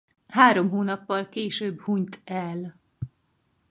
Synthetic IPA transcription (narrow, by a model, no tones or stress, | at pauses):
haːɾo̞mɦoːnɒpːɒlkeːʃøːbhuɲt̪ɛl